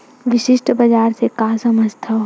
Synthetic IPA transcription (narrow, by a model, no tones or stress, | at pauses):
ʋɪʃɪʃʈʰbɐd͡ʒaːɾsekasɐməd͡ʒt̪ʰa